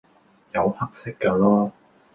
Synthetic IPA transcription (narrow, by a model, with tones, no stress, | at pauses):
jɐ˨˧whɐ˥k̚sɪ˥kːɐː˧lɔː˥